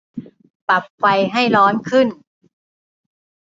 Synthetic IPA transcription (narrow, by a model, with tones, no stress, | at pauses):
pa˨˩p̚kʰa˧jɦa˥˩jlɔː˦˥nkʰɯ˥˩n